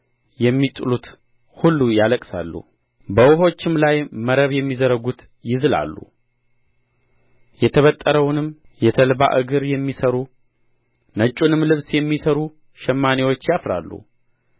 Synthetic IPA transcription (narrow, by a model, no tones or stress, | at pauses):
jɛmːit̪ʼulut̪ | hulːujaləkʼsa̰lːṵ | bəwʊɦo̞t͡ʃːɪmlajməɾəβjɛmːizəɾəɡut̪ | jɪzɨla̰lːṵ | jɛt̪ʰəβət̪ʼːəɾəwnɨm | jɛt̪ʰəlba̰ʔɨɡɨɾjɛmːisəɾu | nət͡ʃʼunɨmlɨβsjɛmːisəɾu | ʃɛmːanewo̞t͡ʃːjafɾa̰lːṵ